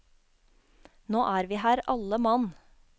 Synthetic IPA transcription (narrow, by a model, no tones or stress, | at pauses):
noːʔæːɾʋiːhæːɾʔɑləmɑn